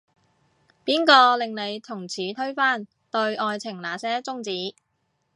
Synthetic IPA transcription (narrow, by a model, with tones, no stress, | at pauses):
piː˥nkɔː˧lɪ˨ŋle˨˧jt̪ʰʊ˨˩ŋt͡sʰiː˨˥t̪ʰɥfaː˥˩n | t̪ɵ˧ɥʔɔː˧jt͡sʰɪ˨˩ŋlaː˨sɛː˥t͡sʊ˥ŋt͡siː˨˥